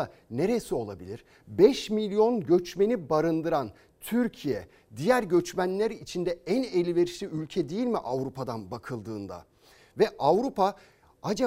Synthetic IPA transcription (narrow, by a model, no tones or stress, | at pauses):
a | ne̞ɾesio̞lˠa̰bilʲiɾ̥ | bɛʃmilʲijo̞nɟø̞t͡ʃme̞nibaɾɯnd̪ɯɾan | t̪ʰyɾcʰijɛ̰ | d̪ijæɾɟø̞t͡ʃmænlʲæɾit͡ʃʰind̪ɛænelʲive̞ɾiʃlʲiylʲcʰɛd̪ejilʲmiʔavɾupʰad̪anbakʰɯlˠd̪ɯːnd̪a̰ | vɛʔavɾupa | ad͡ʒa